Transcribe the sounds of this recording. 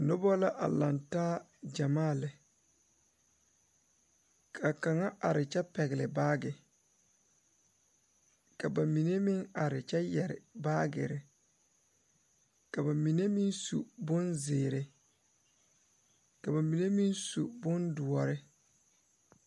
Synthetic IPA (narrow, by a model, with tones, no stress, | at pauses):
no˦bɔ˦la˦ʔa̰˨la˨ntaː˦ | d͡ʒa˨maː˦˨lɪ˨ | kʰa˨ka˨ŋa˦a˨ɾɪ˨t͡ʃɛ˦pɛ˨ɣɪ˨lɪ˨baː˦ɡɪ˨ | ka˨ba˨mi˨ne˦mɪ˦ŋa˨ɾɪ˨t͡ʃɛ˦jɛ˨ɾɪ̰˨baː˦ɡɪ̰˨ɾɪ˨ | ka˨ba˨mi˨ne˦mi˦nsṵ˨bʊ˦nzɪː˨ɾɪ˨ | ka˨ba˨mi˨ne˦mi˦nsu˨bʊ˦ndʊ˨ɔ˨ɾɪ˦